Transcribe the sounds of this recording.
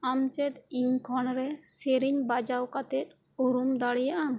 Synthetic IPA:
amt͡ʃɛt̪iɲkʰɔnɾɛseɾiɲbad͡ʒawkat̪ɛt̪̚ | uɾumd̪aɽijaʔana

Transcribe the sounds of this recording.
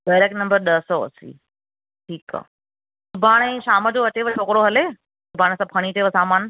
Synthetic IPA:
ɖaːɾeːknɐ̃mbəɾɗɐɦsɔɐ̰sḭː | ʈʰiːka̰ː | sʊbʱaːɽ̃ɛ̃ːʃaːməd͡ʑoɐt͡ɕeʋət͡ɕʰoːkɾoɦɐleː | sʊbʱaːɽ̃sãpʰɐɽ̃iʈeʋəsaːmaːn

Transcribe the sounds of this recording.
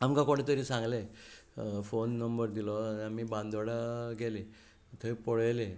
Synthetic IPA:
amkãkoɽ̃et̪əɾiːsãŋɡle | fonːəmbəɾd̪ilɔaniamibãnd̪oɽaɡele | t̪ʰəipɔɽəjle

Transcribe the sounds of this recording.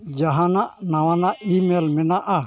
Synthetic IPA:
d͡ʒaɦãnaʔnawanaʔimelmɛnaʔa

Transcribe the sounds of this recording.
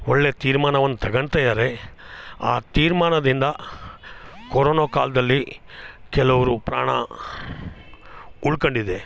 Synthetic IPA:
ɔɭːet̪iːɾmaːnɐʋɐnːut̪ɐɡɐɳt̪ɐjaːɾe | a̰ːt̪iːɾmaːɳɐd̪ind̪ɐ | koɾoːnoːkaːlɐd̪ɐlːikɛlɐʋɐɾupɾa̰ːɳɐ̰ | uɭkoɳɖid̪e

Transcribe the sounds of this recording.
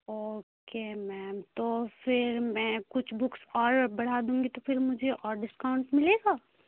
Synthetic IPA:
oːkemɛːmt̪ofɪɾmɛ̃ːkʊt͡ʃʰbʊksɔːɾbɐɽ̤aːd̪ũːŋɡit̪ofʰɪɾmʊd͡ʒʱeʔɔːɾɖɪskaʊ̃ɳʈmɪleːɡaː

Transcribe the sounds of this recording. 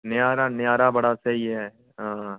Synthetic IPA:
nɪjaːɾanɪjaːɾabɐɽasɐɦiɦɛː | ɦãː

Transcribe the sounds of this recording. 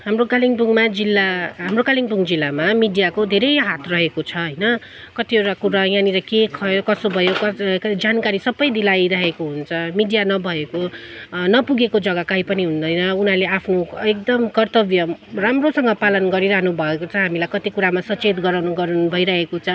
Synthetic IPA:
ɦamroɡaliŋʈuŋmad͡zilːaɦamrokaliŋʈuŋd͡zilːamamiɖijakod̪ʱeɾʌjɦat̪ʰrʌɦekot͡sʰʌɦʌjnʌ | kʌt̪ieʈakuɾajãniɾʌkekʰʌjokʌsobʱʌjokʌd͡zankaɾisʌbʌjd̪ilajɾʌɦekoɦunt͡sʰʌmiɖijanʌbʱʌekonʌpuɡekod͡zʌɡʌkaipʌniɦund̪ʌjnʌunaleapʰnoek̚d̪ʌmkʌrt̪ʌbjʌramrosʌŋɡʌpalʌnɡʌɾiɾʌɦnubʱʌekot͡sʰʌɦamilajkʌt̪ikuɾamasʌt͡set̪ɡʌɾawnuɡʌɾnbʱʌjɾaɦekot͡sʰʌ

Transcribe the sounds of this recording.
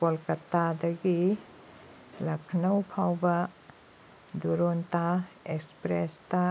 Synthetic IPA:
polkɐtːadɐɡi | lɐkʰnɐwpʰawbɐ | d̪uɾonta | ekspɾesta

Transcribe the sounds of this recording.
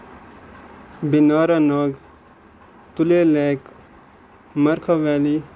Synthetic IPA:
binaːɾanaːɡ | t̪uleːleːk | mɐɾkʰaʋɛːli

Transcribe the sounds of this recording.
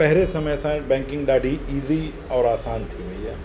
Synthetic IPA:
pɛɦlesɐməjsãbɛ̃ːŋkɪ̃ŋɡɖaːɖiiːzi | ɔːɾaːsaːnt̪ʰimɐijaː

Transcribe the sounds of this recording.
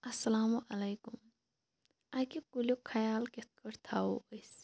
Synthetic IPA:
ɐsːɐlaːmuʔɐlɐjkum | akikulokʰɐjaːlket̪̚kɐɾt̪ʰaoɐs

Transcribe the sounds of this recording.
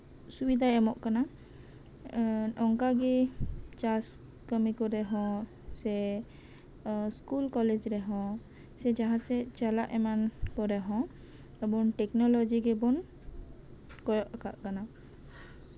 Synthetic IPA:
subid̪ʱaɛmɔʔkana | ɔŋkaɡɛt͡ʃas | kəmikɔɾɛɦɔ̃ | sɛ | skulkɔled͡ʒɾɛɦɔ̃ | sɛd͡ʒaɦãsɛt͡ʃalaʔɛmankɔɾɛɦɔ̃ | ɛbɔnʈɛknɔlɔd͡ʒiɡɛbɔn | kɔjɔʔakaʔkana

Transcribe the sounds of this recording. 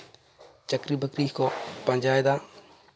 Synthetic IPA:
t͡ʃɐkɾiːbəkɾiːkoːpɐ̃ɲd͡ʒaːjd̪aː

